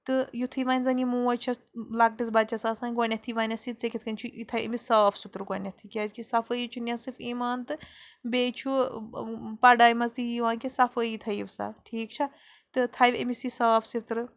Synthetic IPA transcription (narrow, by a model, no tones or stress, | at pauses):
t̪ɨjut̪ʰɨjʋanʲzɐnimuːɐjt͡ʃʰɐ | lak̚ʈisbɐt͡ʃɐsaːsãːnɡwɐnʲɐt̪ʰiʋaːnʲɐsit͡sekʲit̪ʰkɐnʲt͡ʃʰuit̪ʰɐjʲḛmisaːfʰsut̪ɾɨɡɐnʲɐt̪ʰikʲɐːzkisɐfəjit͡ʃʰunʲɐsifiːmaːnt̪ɨbet͡ʃʰu | pɐɖaːjmɐzt̪ɨjiʋãːkisɐfəjit̪ʰɐjiʋsa̰ʈʰiːkt͡ʃʰɐ | t̪ɨt̪ʰɐjʋḛmisisaːfʰsit̪ɾɨ